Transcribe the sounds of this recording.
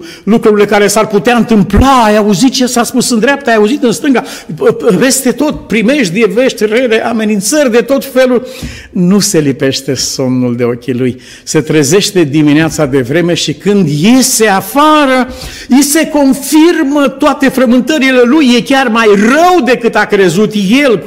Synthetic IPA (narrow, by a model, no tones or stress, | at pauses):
lukɾuɾile̞kaɾe̞sarput̪eaɨnt̪ɨmplaːjauzit̪̚t͡ʃesaspusɨnd̪ɾeap̚t̪ajauzit̪ɨnst̪ɨŋɡa | ve̞st̪e̞t̪o̞t̪̚pɾime̞ʃt̪d̪eve̞ʃt̪ʲreleʔame̞nint̪sərʲd̪e̞t̪o̞t̪fe̞lul | nuse̞lipe̞ʃt̪e̞so̞mnuld̪e̞o̞kʲiluj | se̞t̪ɾəze̞ʃt̪e̞d̪imineat̪sad̪e̞vɾe̞me̞ʃikɨnd̪je̞se̞afaɾə | ise̞ko̞nfirmət̪oat̪e̞fɾəmɨnt̪əɾile̞lujːe̞kʲarmajrəwd̪e̞kɨt̪akɾe̞zut̪je̞l